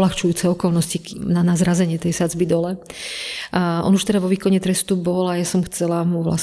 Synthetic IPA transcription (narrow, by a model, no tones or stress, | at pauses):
laxt͡ʃujuːt͡sɛɔkɔlnɔscinanazɾazɛɲɪɛt̪ɛjsad͡zbid̪ɔlɛ | ʔɔ̰nuʃt̪ɛd̪aʋɔʋiːkɔɲɛt̪ɾɛst̪ubɔlajasɔmxt͡sɛlamuʋla̰s